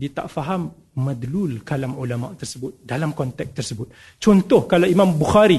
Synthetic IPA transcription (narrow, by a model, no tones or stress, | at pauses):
dit̪a̰ʔfaɦamː | ad̪lulkalamulama̰ʔt̪ərsəbʊt̪̚dalamkɔnt̪ɛk̚t̪ərsəbʊt̪̚ | t͡ʃɔnt̪ɔhkalaimãmbuxaɾi